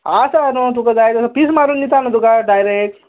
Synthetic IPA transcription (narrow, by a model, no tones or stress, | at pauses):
asanot̪ukɐd͡zajtɐsɐpismaɾunːit̪anɐd̪ukaɖajɾek̚ʈ